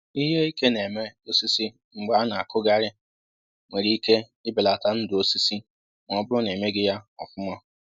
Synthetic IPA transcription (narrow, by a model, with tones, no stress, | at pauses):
i˦ɦe˦i˦ke˦ne˨me˦o˦si˦si˦ | ŋ͡m̩˨ɡ͡ba˨˦a˦na˨a˨kʊ˦ɡa˦ɾɪ˦ | ŋ͡mʷe˨ɾi˦i˦ke˦ | ɪ˦bɪ˨la˨ta˦n̩˦dʊ˨o˦si˦si˦ | m˨ɔ˦bʊ˦ɾʊ˦n˨e˨me˦ɡɪ˦ja˦ɔ̰˨fʊ˦ma˦